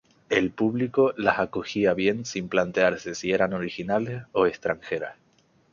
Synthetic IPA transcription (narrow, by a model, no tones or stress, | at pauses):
e̞lpuβliko̞lasakoxiaβ̞je̞nsimplant̪e̞aɾse̞sie̞ɾano̞ɾixinale̞so̞e̞st̪ɾaŋxe̞ɾa̰s